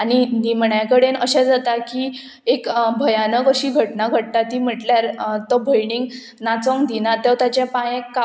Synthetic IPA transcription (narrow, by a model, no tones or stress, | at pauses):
aninimɳjakəɽenəɕɛ̃d͡zat̪aki | ekbʱəjanəkəɕiːɡʱəʈnaɡʱəʈ̚t̪at̪iːm̤əʈljaɾt̪ɔbʱəjɳiŋɡ | nat͡sɔ̃ŋd̪inat̪ewt̪at͡ɕãpãjẽkːa